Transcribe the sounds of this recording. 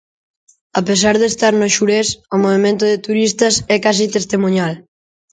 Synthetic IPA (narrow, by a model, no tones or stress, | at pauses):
apes̬aɾðest̪aɾnoʃuɾesomoβ̞emẽnt̪oðet̪uɾist̪ɐsɛkas̬it̪est̪emuɲal